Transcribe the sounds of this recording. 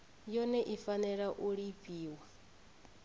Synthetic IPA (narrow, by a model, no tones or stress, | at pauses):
jɔnɛʔifanɛɺaʔuɺipʼiːwa